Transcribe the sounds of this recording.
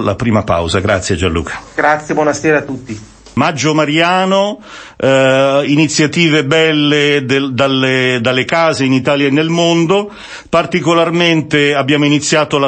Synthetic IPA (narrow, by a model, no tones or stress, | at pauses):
la̰pɾiːmapa̰wzaɡɾa̰t̪sːjed͡ʒanlṵːkʰḁɡ̥ɾat̪sjebwɔnaseːɾaːt̪ːut̪ːi | mad͡ʒːomaɾjaːno | init̪sːjat̪iːvebɛlːed̪d̪alːed̪alːekaːzeinit̪aːljaenːelmond̪o | part̪ikolarment̪eabːjaːmoinit̪sːjaːt̪ola